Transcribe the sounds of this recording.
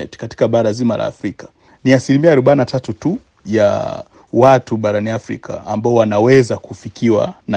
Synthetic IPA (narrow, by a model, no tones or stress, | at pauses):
ɛ̰tkati̥kaɓaɾazima̰la̰ːfɾikḁ | niasilimiaːɾɔɓainatatutu | ja̰ | watuɓaɾaniafɾḭkʰa̰ːmbaɔwanawɛzakufikiwa̰na